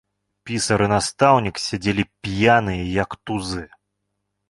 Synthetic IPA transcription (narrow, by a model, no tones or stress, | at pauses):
pʲisɐɾɨnast̪awnʲiksʲad͡zʲelʲipʲjanɨjɐjɐkt̪uzɨ